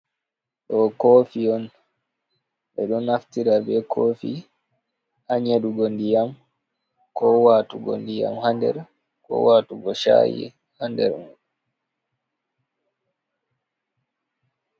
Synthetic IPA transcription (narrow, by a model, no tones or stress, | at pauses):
ɗɔkoːfiɔn | ɓɛɗɔnaftiɾabɛkʰoːfi | haɲeɗuɡɔndijam | kɔwaːtuɡɔ̰ndija̰mhandɛ̰ɾ | kɔ̰waːtuɡɔʃa̰jḭ | handɛ̰ɾmuɗ